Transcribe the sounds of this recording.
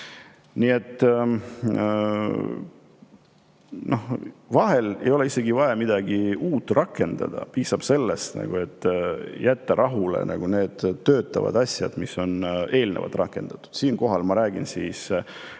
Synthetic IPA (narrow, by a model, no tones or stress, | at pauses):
nie̞t̪ːˑ | no̞hvɑɦe̞le̞̰jo̞leise̞ɡivɑjɑmid̪̥ɑɡiuːt̪ːrʔɑkːˑe̞nd̪̥ɑ̰d̪̥ɑ̰piːsɑb̥se̞lːe̞st̪nɑ̰ɡ̥ue̞t̪ːjæt̪ːeɾʔɑɦulḛnɑɡ̥une̞ːd̪̥t̪ːø̞ːt̪ːˑɑvɑ̰d̪̥ɑsʲjɑ̰d̪̥misːo̞ne̞ːlnevɑ̰t̪ːˑrʔɑkːˑe̞̰nd̪̥ɑ̥t̪ːˑu̥d̪̥siːnko̞ɦɑlmɑɾæːɡ̥insiːs